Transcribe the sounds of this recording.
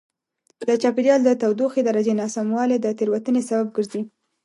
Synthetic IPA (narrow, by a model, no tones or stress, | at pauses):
d̪ət͡ʃɑpeɾijɑld̪ət̪awd̪oxed̪aɾad͡ʒenɑsamwɑled̪ət̪eɾwat̪ənesabab̚ɡəɾzi